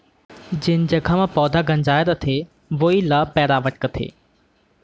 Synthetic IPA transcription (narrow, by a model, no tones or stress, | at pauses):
d͡ʑɪnɪ̆d͡ʑɐkʰãmãpɔːd̪ʱaɡɐ̃nd͡ʑaːɪɾət̪ʰeː | ʋoːilapɛːɾaːʋəʈkət̪ʰḛː